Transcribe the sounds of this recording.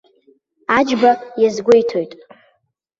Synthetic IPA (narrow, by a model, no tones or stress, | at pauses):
ad͡ʒbajazɡʷejtʰo̞jtʼ